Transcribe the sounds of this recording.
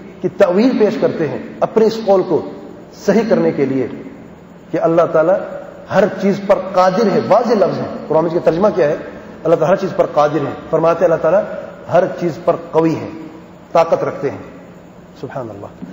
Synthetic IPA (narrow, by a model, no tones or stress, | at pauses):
kit̪ɐʔwiːlpeːʃkɐɾt̪eɦɛ̰̃ɐpniɪsqoːlko | sɐɦikɐɾnekelie | keɐlːaɦt̪aːla | hɐɾt͡ʃiːzpɐɾqaːd̪ɪɾɦɛ̃ʋaːzelɐfzɦɛ̰̃ːqʊɾaːmɪd͡ʒket̪ɐɾd͡ʒmakjaɦɛː | ɐlːat̪alːaɦɐɾt͡ʃiːzpɐɾqaːd̪ɪɾɦɛ̰̃ːfɐɾmaːt̪eɦɐlːaɦt̪aːlaɦɐɾt͡ʃiːzpɐɾqɐʋiɦɛ̰̃ː | t̪aːqət̪ɾɐkʰt̪eɦɛ̰̃ː | sʊbhaːnɐ̰lːa̰ː